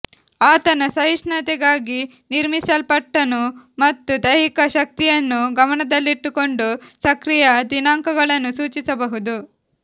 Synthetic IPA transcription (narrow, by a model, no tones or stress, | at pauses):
aːt̪ɐnɐsɐɦiʂɳɐt̪ɛɡaːɡi | niɾmisɐlpɐʈːɐnu | mɐt̪ːud̪ɐjɾikɐʃɐk̚t̪ijɐnːuɡɐmɐɳɐd̪ɐlːiʈːuko̞ɳɖusɐkɾijɐd̪inaːŋkɐɡɐɭɐnːusuːt͡ʃisɐbɐɦud̪u